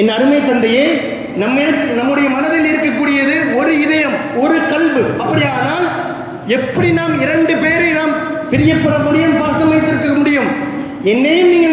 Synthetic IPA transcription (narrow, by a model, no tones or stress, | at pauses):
ɛnːɐɐɾɯmɐɪt̪ːɐnd̪ɐjeː | nɐmːɐɾɯnɐmːɯɽɐjɐmɐnɐðɐnɪɾkɐkːuːɽɪjɐðɯɔɾɯɪðɐjɐmɔɾɯt̪ɐlbɯʔɐpːɐɽɪjaːnaːl | ɛpːɐɽinaːmɪɾɐɳɖɯpeːɾɐɪnaːm | pɪɾɪjɐpːɯɾɐmɐɽɪjɐmpaːsɐmɐjt̪ːɪɾkɯmʊɽɪjɯm | ɛnːeːniːŋɡɐ